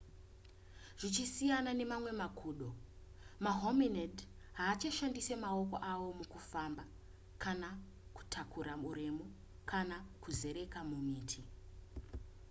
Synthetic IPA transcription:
ʐ̥it͡ʃisijanane̞mamwe̞makʰuːɗo̞ | maɦomined | ɦaːt͡ʃaʃandise̞mao̞ko̞̰ʔawo̞mukufamba | kʰana | ku̥tʰakʰuɾamuɾemu | kʰanakuze̞ɾe̞kamumiːtʰi

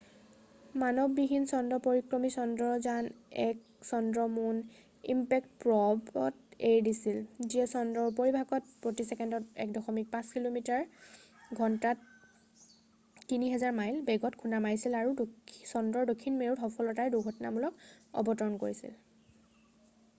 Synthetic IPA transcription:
manɔbbiɦinsɔndɔpoɹikɹɔmisɔndɹɔzanɛk | sɔndɹɔmun | ḭmpɛk̚tpɹɔbɔ̰tejdisilziɛsɔndɹɔɹup̬oɹibʱaɡɔt̚pɹotisɛkɛndɔtɛ̰k̚dɔxɔmik̚pãskilomitaɹ | ɡʱɔntat | iniɦɛzaɹmajlbɛɡɔtkʰunamajsilaɹudsɔndɹɔɹdokʰːinmeɹutxɔpʰɔlɔtajduɡʰʱɔtnamulɔkɔ̰bɔtɔɹɔnkoɹisḭl

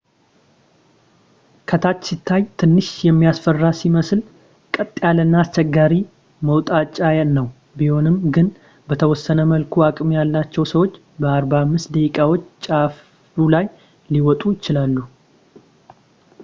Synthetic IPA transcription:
kʰət̪ʰat͡ʃːsit̪ʰːajt̪ʰɨnːɨʃjɛmːijasfərːasiməsl | kʼət̪ʼːjalɨnːaːst͡ʃːɛɡːaɾi | məwt̪ʼat͡ʃʼːajannːəw | biho̞nɨmɡɨn | bət̪ʰəwɔsːənəməlkʰuakʼmijalːat͡ʃːɛwsəwo̞t͡ʃː | bəaɾbaamːɨst̪d̪əkʼawo̞t͡ʃːt͡ʃʼaf | ulaj | liwɔt̪ʼujɪt͡ʃɪlalːu

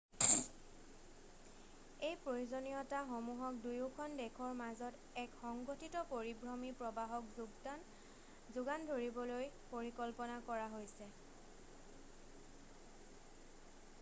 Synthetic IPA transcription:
ejpɹojozonijɔtaxomuɦɔk̚dujukʰɔndɛkʰɔɹmazɔt | ɛkxɔŋɡotʰitɔpoɹibɹɔmipɹɔbaɦɔkzuɡdan | zuɡandʱoɹibɔloj | poɹikɔlpɔnakɔɹaɦojsɛ

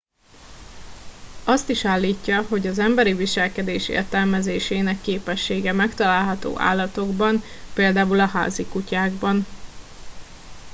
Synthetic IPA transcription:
ɒst̪iʃaːlːiːcːɒɦo̞ɟɒzɛmbɛɾiviʃɛlkɛd̪eːʃḛːrt̪ɛlmɛzeːʃeːnɛkːeːpɛʃːeːɡɛmɛkt̪ɒlaːlɦɒt̪o̰ːʔa̰ːlːɒt̪o̞ɡbɒnpeːld̪aːulɒɦa̰ːzikucaːɡbɒn

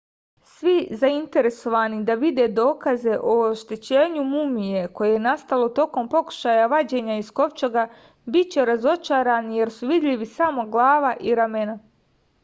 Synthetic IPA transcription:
sʋizaint̪e̞ɾe̞so̞ʋaːnid̪aʋid̪e̞ːd̪o̞ːkaze̞ʔooʃt̪e̞t͡ɕe̞ːɲumumije̞ko̞je̞jenast̪alo̞t̪o̞ko̞mpo̞ku̥ʃaːjaʋad͡ʑe̞ːɲaisko̞ʋt͡ʃoɡa | bit̪̚t͡ɕe̞ɾazo̞t͡ʃaːɾanije̞ɾsuʋid̪ʎʲiʋisamo̞ɡlˠaːʋaʔiɾame̞na

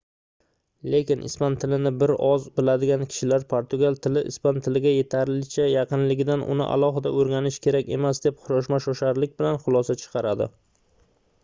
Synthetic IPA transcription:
le̞kʲɪnʔɪ̰spant̪ʰɪlɪnɪbɪɾɒzbɪlad̪ɪɡʲankʲʰɪ̥ʃɪlaɾpʰoɾt̪ʊɡalˠt̪ʰɪlɪʔɪ̰spant̪ʰɪlɪɡʲaje̞t̪ʰaɾlɪt͡ʃʰajɑqɨnlɪɡʲɪd̪anʔʊ̰nɪ̰ʔa̰lˠɒɦɪd̪aoɾɡʲanɪʃkʲʰe̞ɾakʲe̞̰masd̪e̞pχʊɾɒʃ̬maʃɒʃaɾlɪkʲbɪlanχʊlˠɒsat͡ʃʰɨ̥qʰɑɾad̪ɪ̰

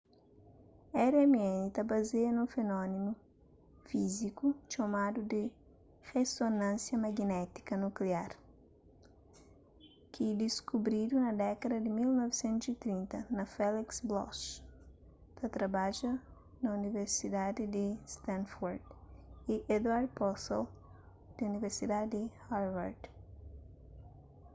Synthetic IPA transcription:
ɛɾɛmiɛnit̪abazeɐnũfenɔnimu | fizikuʃomad̪ud̪ɪ | ʁesonãnsjɐmaɡnɛt̪i̥kɐnukleaɾ | kʰid̪iskubɾid̪unɐd̪ɛkɐd̪ɐd̪ɪmilnɔvesẽnt̪uzit̪ɾĩnt̪ɐnɐfɛliksblɔ̰ʃ | t̪ɐt̪ɾɐbaʒɐ | nɐuniveɾsid̪ad̪id̪ist̪ãnfɔɾd̪iʔed̪waɾd̪̚pɔsɔl | d̪̥iuniveɾsid̪ad̪ihaɾva̰ɾd̪

